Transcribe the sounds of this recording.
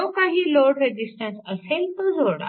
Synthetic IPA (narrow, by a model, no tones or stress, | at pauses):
kaɦiːloɾɖɾed͡ʑisʈə̃nsəselt̪əd͡zʱoɽa̰